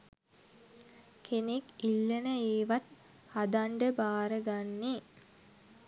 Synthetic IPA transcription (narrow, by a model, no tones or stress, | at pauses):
kʰenekilːenəeːʋat̪̚ | had̪aɳɖəbaːɾəɡanːi